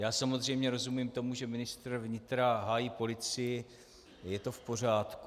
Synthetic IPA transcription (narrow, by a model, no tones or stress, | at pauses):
jaːsamo̞zr̝ɛjmɲɛɾo̞zumimt̪o̞muʒɛmɪnɪst̪rvɲɪt̪ɾaɦaːjiːpo̞lɪt͡sɪjɪ | jɛt̪o̞fpo̞r̝aːt̪ku